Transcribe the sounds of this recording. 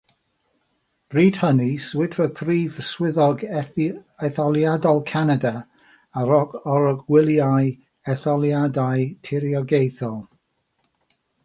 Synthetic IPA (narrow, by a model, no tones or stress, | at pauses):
b̥riːd̥həniswɪdʰvəpʰriːvəswɪðɔɡ | ɛθɔlˠjadɔlˠkʰanada | aɾɔɡɔɾɔɡwɪlˠjaj | ɛθɔlˠjadajtʰɪɾjɔɡejθɔlˠ